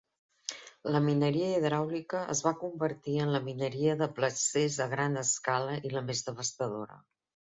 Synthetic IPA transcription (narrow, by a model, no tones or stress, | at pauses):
ləminəɾiəiðɾawlikəʔə̰zβakumbəɾt̪iənləminəɾiəðəpləsezəɣɾanəskaləʔiləmezðəβəst̪əðo̰ɾə̰